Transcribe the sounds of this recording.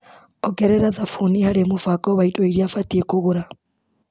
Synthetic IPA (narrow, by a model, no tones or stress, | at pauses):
ɔɡɛɾɛɾaðafunihaɾemofakɔβaitʼoiɾiafatiekoɣoɾa